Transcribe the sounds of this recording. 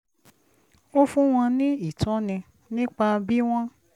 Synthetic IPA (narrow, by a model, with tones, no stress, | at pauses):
o˦fũ˦w̃ɔ̃˧nĩ˦i˦˨tɔ̃˨˦nĩ˧ | nĩ˦k͡pa˧bi˦w̃ɔ̃˦